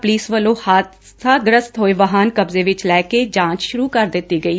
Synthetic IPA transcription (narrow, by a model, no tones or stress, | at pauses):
pliːsʋəlːõːhaːt̪ | sʰaːɡɾəst̪ɦoːeʋəɦaːnkəbzeːʋɪt͡ʃlɛːked͡ʒãːt͡ʃʃʊɾuːkəɾd̪ɪt̪ːiːɡəiː